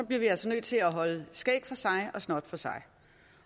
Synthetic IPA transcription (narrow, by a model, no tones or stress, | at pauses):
ɒ̽b̥liɐʋiæl̰sɒnøð̥ˠt͡sʰe̝læɦɒ̽ləsɡ̥ɛ̰ːb̥fɒ̽sɑ̈ɪɒ̽snɒːd̥fɒ̽sɑ̈ɪ